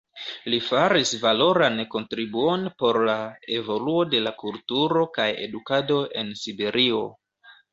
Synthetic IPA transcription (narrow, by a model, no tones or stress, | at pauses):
lifaɾisvalo̞ɾanko̞ntɾibuo̞npo̞ɾlae̞vo̞luo̞de̞lakultuɾo̞kaje̞̰dukado̞ʔe̞nsibe̞ɾʔio̞